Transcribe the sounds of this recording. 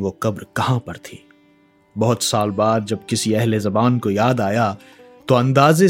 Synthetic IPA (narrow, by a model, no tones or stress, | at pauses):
ʋoqɐbɾkɐɦãpɐɾt̪ʰiː | bɐɦʊt̪saːlbaːd̪̚d͡ʒɐb̚kɪsiɛɦlezɐbaːnkojaːd̪aːja | t̪oɐ̃nd̪aːze